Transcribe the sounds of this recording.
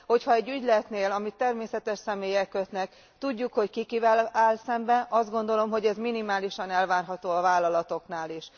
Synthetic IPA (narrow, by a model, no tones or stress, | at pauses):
ho̞chɒɛɟːyɟlɛt̪neːlɒmit̪ːɛrmeːsɛt̪ɛʃsɛmeːjɛkːøt̪nɛk | t̪uɟːukho̞ckikivɛlaːlsɛmbɛɒzd̪ɡo̞nd̪o̞lo̞mɦo̞ɟɛzminimaːliʃɒnɛlvaːrɦɒt̪oːɒvaːlɒlɒt̪o̞knaːliʃ